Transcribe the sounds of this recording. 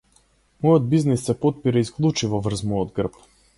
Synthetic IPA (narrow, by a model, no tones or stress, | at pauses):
mɔjɔd̪̚biznisːɛpɔt̪̚piɾaisklˠut͡ʃivɔvr̩zmɔjɔd̪̚ɡr̩p